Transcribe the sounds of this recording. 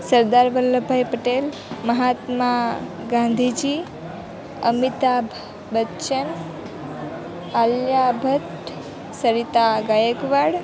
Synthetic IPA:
səɾd̪aɾʋəlːəbʱajpəʈel | məɦat̪ma | ɡãnd̪ʱid͡ʒi | əmit̪abʱ | bətːʃən | aljabʱət̪ | səɾit̪aɡajəɡʋaɽ

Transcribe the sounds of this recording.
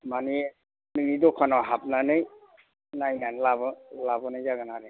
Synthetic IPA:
mani | nɯŋidɔkʰanawɦap̚nanɯj | najnanlabɔlabɔnajzaɡɯnaɾɯ

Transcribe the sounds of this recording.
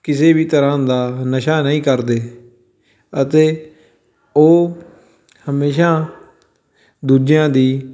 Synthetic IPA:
kɪseːbiːt̪əɾãːd̪aːnəʃaːnəĩːkəɾd̪eː | ət̪eː | oː | həmeːʃaː | d̪uːd͡ʒjãːd̪iː

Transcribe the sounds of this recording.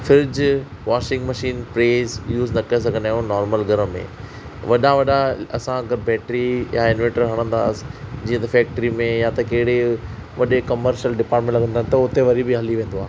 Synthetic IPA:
fɪɾd͡ʑ | ʋaːʃɪ̃ŋɡmɐʃiːnpɾeːzjuːznɐkɐes̬ɐɡʱənaːɦjũnɔːɾməlɡʱɐɾəmḛ̃ | ʋɐɗãʋɐɗaɐ̰sãɐɡɐɾbɛːʈɾija̰ɪ̃nʋɛ̃ːɳʈəɾɦɐɽ̃ə̃nd̪a̰ːsɪ̥d͡ʑiːə̃t̪ɐfɛːk̚ʈəɾimẽjat̪ɐkɐɦɪɽe | ʋɐɗekɐməɾʃəlɖɪpaːɾʈmẽɳʈlɐɡʱənd̪aːɦnɪ̆t̪ɐʊt̪eʋɐɾibɪɦɐliʋẽːn̆d̪oaːɦ

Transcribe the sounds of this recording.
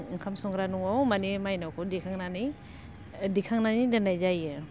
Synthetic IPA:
kʰamsɔŋɡɾanuŋɔwmanimajnawkʰɔdikʰaŋnani | dikʰaŋnanidɯnajzajɯ

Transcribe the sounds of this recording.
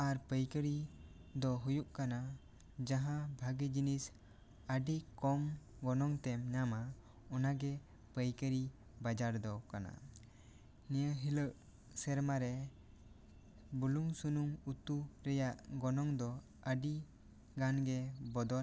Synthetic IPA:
aɾpəjkəɾid̪ɔɦujuʔkana | d͡ʒaɦãbʱaɡid͡ʒinis | əɖikɔm | ɡɔnɔŋt̪ɛmɲama | ɔnaɡɛ | pəjkəɾi | bad͡ʒaɾd̪ɔkana̰ | nijəɦiləʔ | sɛɾmaɾɛ | buluŋsunumut̪uɾɛjaʔɡɔnɔŋd̪ɔ | əɖi | ɡanɡɛbɔd̪ɔ

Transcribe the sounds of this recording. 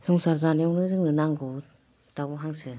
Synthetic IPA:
sɔŋsaɾzanjɔŋnɯzɯŋnɯnaŋɡu | tabɔɦaŋsɯ

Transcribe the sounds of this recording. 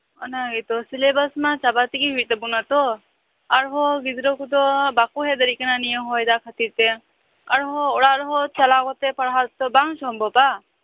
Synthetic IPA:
ɔnaɡit̪ɔsilebəsmãt͡ʃabat̪iɡiɦujt̪ebunat̪ɔ | aɾɦɔɡid̪ɾɔkud̪ɔbakuɦed̪əɾikenanijəmɦɔjd̪akʰət̪iɾt̪e | aɾɦɔːɽaɾɦɔt͡ʃalakɔt̪epəɽɦat̪ːɔbaŋsɔmbʱɔpa

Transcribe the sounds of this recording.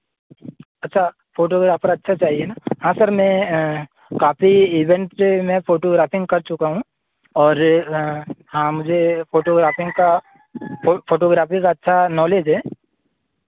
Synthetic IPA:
ɐtːʃʰa | foːʈoːɡɾaːpəɾɐtːʃʰat͡ʃaːɦienaɦãːsɐɾmɛ̃ | kaːfiiːʋɛ̃ɳʈsemɛ̃foːʈoːɡɾaːfɪ̃ŋɡkɐɾt͡ʃʊkaɦũ | ɔːɾ | hãːmʊd͡ʒʱefoːʈoːɡɾaːfɪ̃ŋɡka | foːʈoːɡɾaːfikaɐtːʃʰanɔːleːd͡ʒɦɛː

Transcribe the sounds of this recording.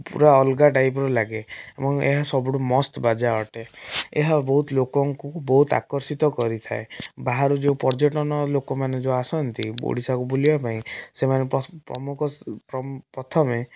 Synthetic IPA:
pṵɾaɔlɡaʈajp̬ɾɔlaɡeebɔŋḛɦasɔbuɽumɔst̪bad͡ʒaɔʈeḛɦabɔɦut̪lokɔŋkubɔɦut̪a̰kɔɾsit̪ɔkɔɾit̪ʰaebaɦaɾud͡ʒeũpɔɾd͡ʒeʈɔnɔlokɔmaned͡ʒẽasɔnt̪ibo̰ɽisakubulibapaĩsemanepɔpɾɔ̰mukʰɔpɾɔpɾɔt̪ʰɔme

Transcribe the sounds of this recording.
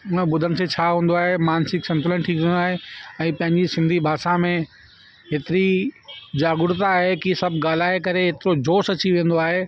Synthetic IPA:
ʊnə̃bʊd̪ʱənɪ̆set͡ɕʰaːɦũːnd̪oaːɦemaːnsɪksɐ̃nt̪ʊlə̃nʈʰikːnaːɦeɛ̃ːpɐ̃ɦɪ̃ɲd͡ʑisɪ̃nd̪ʱibʱaːʃamẽ | ɦet̪ɪɾid͡ʑaːɡʊɾt̪aːɦekisɐbʱɡaːl̤aːekɐɾeɦet̪ɪɾod͡ʑoːsɐt͡ɕiʋẽːnd̪oaːɦe

